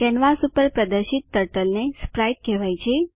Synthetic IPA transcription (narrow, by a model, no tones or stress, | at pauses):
kɛnʋasupəɾpɾəd̪əɾʃit̪̚ːəɾʈəlnespɾajʈ̚kɛʋajt͡ʃʰe